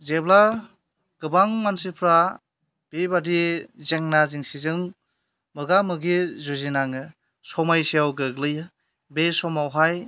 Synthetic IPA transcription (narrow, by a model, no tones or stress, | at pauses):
zebla | ɡ̥ɯbaŋmansipʰɾa | b̥ebadizeŋnaziŋsizɯŋ | mɯɡamɯɡizuzinaŋɯ | sɔmajsiawɡɯɡlɯjɯ | besɔmawɦaj